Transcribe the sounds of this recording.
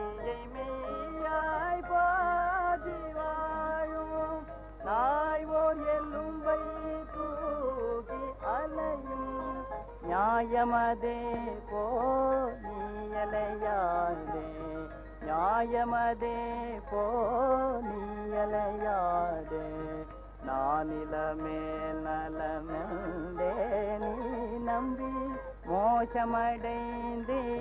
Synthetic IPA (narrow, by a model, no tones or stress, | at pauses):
niɾɐjmejajpaːd̪iɾaːju | naːjʋoːɾelːumʋɐjku | ɡiɐlɐjum | njaːjɐmɐd̪epoːniːjɐlɐjad̪e | ɲaːjɐmɐðeːpoː | niːjɐlɐjaːd̪e | naːnilɐmeːlɐlɐmenleniːnɐmbi | moːʂɐmɐɽɐɪ | nd̪i